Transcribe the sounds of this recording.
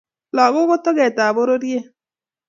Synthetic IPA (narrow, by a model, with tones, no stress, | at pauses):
lɔ˨ɣo˦ɣo˦to˦ɣɛ˨ta˨βo˦ɾo˦ɾje˦